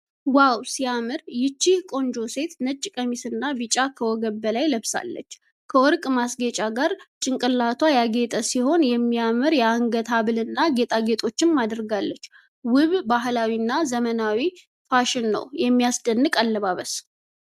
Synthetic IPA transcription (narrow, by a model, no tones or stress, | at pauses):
wawsijamɨɾjɪt͡ʃːihkʼo̞nd͡ʒo̞se̞t̪nət͡ʃʼːɪkʼəmisɨnːabɨt͡ʃʼakʰəwɔɡəbbəlajləβsa̰lːə̰t͡ʃː | kʰəwɔɾkʼmasɡet͡ʃʼaɡaɾt͡ʃʼɪŋkʼɨlːat̪ʰwajaɡe̞t̪ʼəsiho̞njɛmːijamɨɾjɛaŋɡət̪ʰaβɨlɨnːaɡe̞t̪ʼaɡe̞t̪ʼo̞t͡ʃːɪmːad̪ɾɡalːət͡ʃː | wɨβbaɦlawinːazəmənawi | faʃɪnːə̰wjɛmːijasd̪ənːɨkʼalːəβaβəs